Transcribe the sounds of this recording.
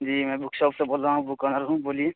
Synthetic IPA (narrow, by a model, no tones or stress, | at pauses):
d͡ʒiːmɛ̃bʊkʃɔːpseboːlaːɦũbʊkanəɾɦũboːlie